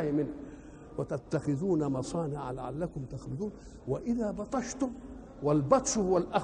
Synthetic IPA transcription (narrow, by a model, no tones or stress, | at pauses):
jmɪnː | wat̪at̪ːaxɪðuːnamɑsˤɑːnɪʕa̰la̰ʕa̰lːakʊmt̪axlʊðuːn | waʔɪðaːbɑt̪ˤɑʃt̪ʊm | walbɑt̪ˤʃʊhʊwalʔa